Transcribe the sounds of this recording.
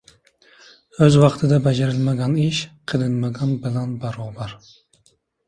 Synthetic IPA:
øzwɑqt̪ʰɨd̪ɛbɛd͡ʒeɾɪlmɛɡʲɑniʃqʰəlˠɨnmɛɡʲɑnbɪlɛnbɑɾubɑɾ

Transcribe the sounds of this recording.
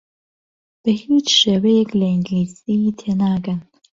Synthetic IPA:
b̥ɐhiːt͡ʃʰʃeːwɛjɛklɐiŋɡliːsit̪ʰeːnaːɡɐn

